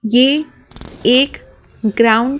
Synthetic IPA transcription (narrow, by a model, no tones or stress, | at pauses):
jeː | eːk | ɡɾaːʊ̃ɳɖ